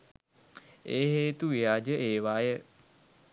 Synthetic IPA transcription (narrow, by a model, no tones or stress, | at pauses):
eːɦeːt̪uʋijaːd͡ʒəʔeːʋaːjə